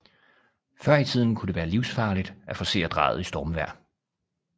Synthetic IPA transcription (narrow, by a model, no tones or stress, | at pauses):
fɶɐ̰it͡sʰið̞̰ˠn̩kʰud̥e̝ʋæːɐliʊsfɑ̈ːlid̥æfɒ̽se̝̰ːɐd̥ʁɑ̰̈ːð̞̩ˠisd̥ɒːmʋæɐ̰